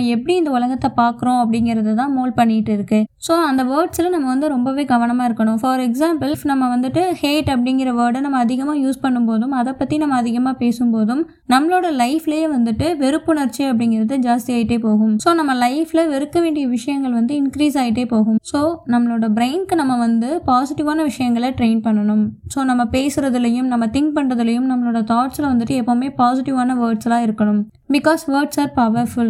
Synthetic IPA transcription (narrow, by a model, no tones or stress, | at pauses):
ɛpːɐɽiɪnd̪ɐʊlɐŋɡɐt̪ːɐpaːɾkɯɾõːɐp̬ːɐɽɪŋɡɪɾɐðɐt̪ãːmoːlpɐɳːɪɪʈːɯɪɾɯkːɯsoːɐnd̪ɐʋɐːɾʈsɪlɐnɐmːɐʋɐnd̪ɯɾɔmbɐʋeːɡɐʋɐɳɐmaːɪɾɯkːɐɳʊ̃fɐːɾɛksaːmpɐlfnɐmːɐʋɐnd̪ɯʈːɯheːʈɐp̬ːɐɽɪŋɡɪɾɐʋɐːɾɽɐnɐmːɐːðɪɣɐmaːjuːspɐɳːɯmpoːðɯmɐðɐpːɐt̪ːinɐmːɐːðɪɣɐmaːpeːsɯmpoːðɯm | nɐmːɭoːɽɐlɐɪfɪlejeːʋɐnd̪ɯʈːɯʋɛɾɯpːɯnɐɾt͡ʃːiɐp̬ːɐɽɪŋɡɪɾɐðɯd͡ʒaːst̪ɪjaːjɪʈːeːpoːɣɯmsoːnɐmːɐlɐɪfɪlɐʋɛɾɯkːɐʋeːɳɖɪjɐʋɪʂɐjɐŋɡɐɭʋɐnd̪ɯɪnkɾiːsaːjɪʈːeːpoːɣɯmsoːnɐmːɐɭoːɽɐbɾeɪnkɯnɐmːɐʋɐnd̪ɯpaːsɪʈːɪʋaːnɐʋɪʂɐjɐŋɡɐɭɐʈɾeɪnpɐɳːɐɳɯmsoːnɐmːɐpeːsɯɾɐðɪlɐjɯmnɐmːɐt̪ɪŋk̚pɐɳɾɐðɪlɐjɯmnɐmːɐɭoːɽɐt̪aːʈsɪlɐʋɐnd̪ɯʈːɯɛpːoːmeːpaːsɪʈɪʋaːnɐʋəːɾʈsɐlãːɪɾɯkːɐɳɯm | bɪkɔːsʋɐːɾʈsaːɾpɐʋɐɾfʊl